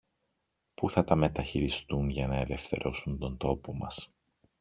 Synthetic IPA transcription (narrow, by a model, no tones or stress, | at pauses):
puθɐt̪ɐme̞t̪ɐçiɾist̪unʝɐnɐe̞le̞fθe̞ɾʔo̞sunt̪o̞nt̪o̞po̞mɐs